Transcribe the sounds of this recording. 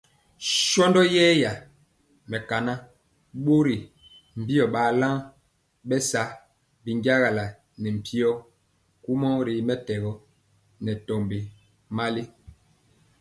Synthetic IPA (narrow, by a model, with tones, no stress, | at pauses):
ʃɔ˦ndɔ˦jɛː˦ja˨ | mɛ˨ka˨na˦ | ɓo˦ɾi˨ | m̩˨bi˦ɔ˨ɓaː˨˦la˦ŋ | ɓɛ˦sa˦ | bi˨ŋɡa˦ɣa˨la˨ | nɛ˨m̩˨pʰi˦ɔ˦ | ku˦mɔ˦ɾi˨mɛ˦tɛ˨ɣɔ˦ | nɛ˨tɔ˨mbe˨ | ma˦li˦